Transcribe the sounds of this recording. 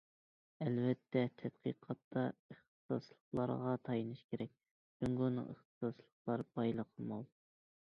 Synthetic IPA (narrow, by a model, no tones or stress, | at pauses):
ɛlvɛt̪ʰːɛt̪ʰɛt̪̚qʰiqʰɑt̪ːɑəχt̪ɨ̥sɑ̰slˠəχlˠɑɾʁɑt̪ʰɑjinɨʃkʲʰeɾɛk̪̚ʲ | yŋɡonɨ̰ŋə̰χt̪ɨ̥sɑslˠəχlˠɑɾbɑjlˠəqʰəlˠmɑlˠ